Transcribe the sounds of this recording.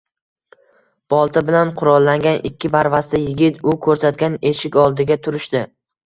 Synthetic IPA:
b̥ɒlˠt̪ʰɪbɪlanqʰʊɾɒlˠːaŋɡʲanʔɪkʲʰːɪpʰaɾvast̪ɪjɪɡʲɪt̪ʊkʰɵɾsat̪̚ɡʲane̞ʃɪkʲɒlˠd̪ɪɡʲat̪ʰʊɾɪʃt̪ɪ

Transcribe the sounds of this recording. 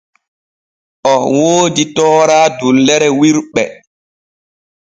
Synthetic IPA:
ʔɔwoːditɔːɾaːdulːɛɾɛwiɾɓɛ

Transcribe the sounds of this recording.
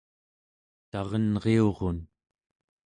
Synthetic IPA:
t̪ɑʁʌnʁeo̞ʁon

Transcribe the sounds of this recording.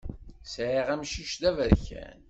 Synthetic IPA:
sʕiʁæmʃiʃd̪ævəɾçæ̰n

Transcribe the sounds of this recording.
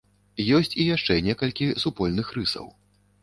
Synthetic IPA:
jɔsʲt͡sʲijaʂt͡ʂɛnʲɛkɐlʲkʲisupɔlʲnɨxɾɨsɐ̰w

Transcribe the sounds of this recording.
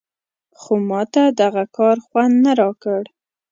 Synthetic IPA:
xomɑt̪ad̪aɣakɑɾxwand̪naɾɑkəɽ

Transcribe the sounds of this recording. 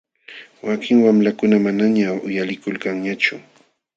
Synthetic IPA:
wakɪŋwamlakʊnamanaɲaʊjalɪkʊlkaŋɲat͡ʃʊ

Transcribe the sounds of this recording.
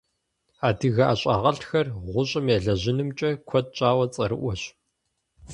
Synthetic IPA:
aːdɨɣaːɕʼaːʁɐɬxɐrʁʷʊɕʼɐmjaɮɐʑɪnɨmt͡ʃʼɐkʷʰɔt̚t͡ʃʼaːwɐt͡sʼɐɾɨʔʷɔɕ

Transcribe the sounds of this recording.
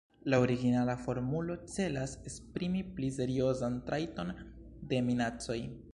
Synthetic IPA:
laoɾiɡinalafo̞ɾmulo̞t͡se̞lasespɾimiplize̞ɾio̞zantɾajto̞n | de̞minat͡so̞j

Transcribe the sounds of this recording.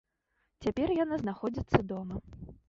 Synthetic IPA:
t͡sʲapʲɛrjanaznaxɔd͡zʲit̪sːɐd̪ɔmɐ

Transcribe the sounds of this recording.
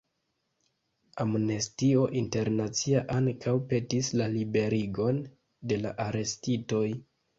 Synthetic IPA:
amnestio̞ʔinte̞ɾnat͡siaʔaŋkʰawpe̞tislalibe̞ɾiɡo̞n | de̞laʔaɾe̞stito̞j

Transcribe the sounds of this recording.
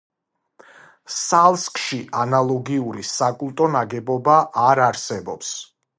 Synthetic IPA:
salˠskʼʃiʔanalˠɔɡiuɾisakʼulˠt̪ʼɔnaɡɛbɔbaʔaɾaɾsɛbɔps

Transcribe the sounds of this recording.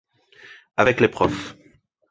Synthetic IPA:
avɛklepχɔf

